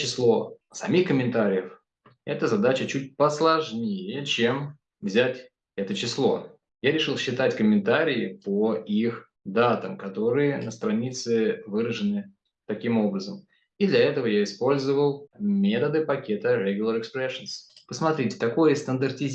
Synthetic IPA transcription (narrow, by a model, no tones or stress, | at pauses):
t͡ɕɪslˠo̞sɐmʲixkəmʲɪnt̪aɾʲɪjəf | ɛt̪əzɐd̪at͡ɕət͡ɕut̚ʲpəslˠɐʐnʲejət͡ɕe̞m | vzʲatʲ | ɛt̪ət͡ɕɪslˠo̞̰ | jaɾʲɪʂɨlˠɕːɪt̪atʲkəmʲɪnt̪aɾʲɪɪpoix | d̪at̪əmkɐt̪o̞ɾɨjənəst̪ɾɐnʲit̪sɨvɨɾəʐɨnɨ | t̪ɐkʲimo̞bɾəzəm | id̪lʲɐɛt̪əvəjaɪspo̞lʲzəvəlˠmʲet̪əd̪ɨpɐkʲe̞t̪əɾʲeɡʲʊlʲˠəɾɨkspɾɛʂənspəsmɐt̪ɾʲitʲɪ̥t̪ɐko̞jəst̪ənd̪ərtʲɪzʲ